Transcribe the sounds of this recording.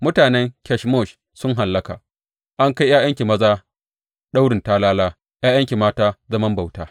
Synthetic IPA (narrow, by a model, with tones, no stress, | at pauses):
mʊ˦taː˨nɛ˦ŋkʲɛ˦ʃmɔ˦˨ʃ | sʊ˦ŋɦa˨lːɐ˦ka̰ː˨ | ʔa˦ŋka˦jjaː˦jɐ˦ŋkʲi˨mɐ˦zaː˦ | ɗa˦wɽɪ˨ntaː˦laː˦laː˦ | jaː˦jɐ˦ŋkʲi˨maː˦taː˦zɐ˦mɐ˦mba˨wtaː˦